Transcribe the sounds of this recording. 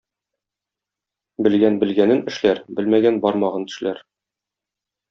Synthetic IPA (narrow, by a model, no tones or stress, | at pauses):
bɘ̆lɡænbɘ̆lɡænɘnɘ̆ʃlæɾbɘlmæɡænbɒɾmɑʁɑnt̪ɘ̥̆ʃlæɾ